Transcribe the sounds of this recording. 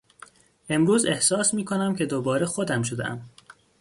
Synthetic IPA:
ʔe̞mɾuːze̞hsɒːsmiːkʰo̞næmcʰe̞d̪obɒːɾexod̪æmʃ̬o̞d̪ḛʔæ̰m

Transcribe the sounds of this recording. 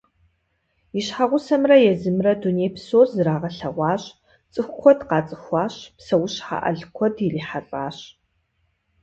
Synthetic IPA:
iɕħaʁʷʊsɐmrɐjɛzɨmrɐduneːjpʰsoːrzɨɾaːʁɐɬɐʁʷɑːɕ | t͡sʼɨxʷkʷʰɔdqɑːt͡sʼɨxʷɑːɕpsɐwʊɕħa̰ʔɐ̰ɮkʷʰɔdiriːħapʼaːɕ

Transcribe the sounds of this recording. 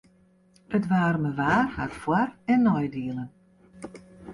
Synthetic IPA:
ətʋaːrməʋaːrhatfwarɛnːɔjdiəlˠən

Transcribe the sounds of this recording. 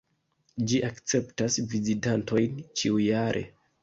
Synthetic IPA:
d͡ʒiʔakt͡se̞ptasvizitanto̞jnt͡ʃiujaɾʔe̞̰

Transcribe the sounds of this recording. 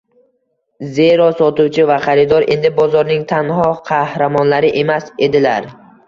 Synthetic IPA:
ze̞ɾɒsɒt̪uwt͡ʃʰɪvaχɑɾɪd̪ɒɾʔe̞̰nd̪ɪbɒzɒɾnɪŋt̪ʰanɦɒqʰɑhɾamɒnlaɾɪʔe̞mase̞d̪ɪlaɾ

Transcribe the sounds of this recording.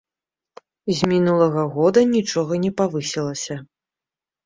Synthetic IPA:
zʲmʲinulˠɐɣɐɣɔd̪ɐnʲit͡ʂɔɣɐnʲɛpavɨsʲɛlˠɐsʲɐ

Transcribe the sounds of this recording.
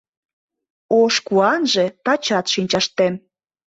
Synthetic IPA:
oʃkuɑnʒet̪ɑt͡ɕɑt̪ʃinʲt͡ɕɑʃt̪em

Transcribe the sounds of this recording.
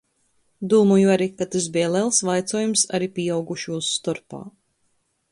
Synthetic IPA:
d̪uːmujuaɾikat̪asbɛɛlˠɛlˠsvajt̪sɔːjumsa̰ɾipʲiawɡuʃuːsːt̪ɔɾpa̰ː

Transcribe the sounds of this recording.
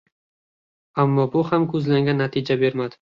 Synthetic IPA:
amːɒbʊhamkʰɵzlaŋɡʲanːat̪ʰɪd͡ʒabe̞ɾmad̪ɪ

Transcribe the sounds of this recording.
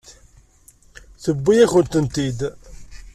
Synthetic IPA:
θəbːijæçənt̪ənt̪id̪

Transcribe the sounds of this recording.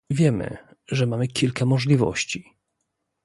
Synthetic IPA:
vʲjɛmɘ̰ | ʐɛmamɘkʲilkamɔʐlʲivɔ̰ɕt͡ɕi

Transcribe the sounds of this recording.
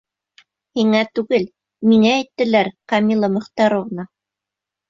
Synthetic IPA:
hiŋæt̪ʉɡɘl | miŋæːjt̪ːɘ̆læɾqɑmilˠɑmɵ̆χt̪ɑɾoʁnɑ

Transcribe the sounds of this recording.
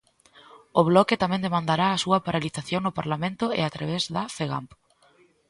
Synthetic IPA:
ʊβlɔkɪt̪amɛ̃nd̪emãnd̪aɾaːsuɐpaɾaliθaθjoŋnʊpaɾlamẽnt̪ʊɪ̰at̪ɾaβezðafeɣa̰mp

